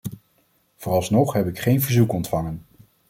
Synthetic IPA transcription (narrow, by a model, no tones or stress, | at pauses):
v̥ʊːrɑlˠsnɔχɦɛpɪkχejnvəɹzukɔntfɑŋən